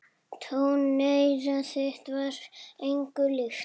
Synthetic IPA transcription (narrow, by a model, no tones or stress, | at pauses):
t̪ʰownːejɾasɛht̪vaɾejŋkʏlʏx